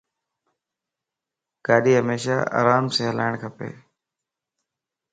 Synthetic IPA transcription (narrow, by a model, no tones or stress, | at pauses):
kaːɗiːɦəmeːʃa̰ːa̰ːɾaːmsẽːɦəla̰ːɪɳ̃kʰəpḛː